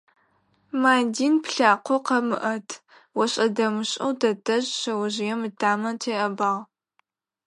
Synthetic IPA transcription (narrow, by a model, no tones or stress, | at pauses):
maːdiːnpɬaːqʷɔqɐmɨʔɐtʰ | wɔɕʼɐdɐmɨɕʼɐwdɐdɐʑɕɐwɐʑɪjɛmɨtʰaːmɐntʰeːʔɐbaːʁ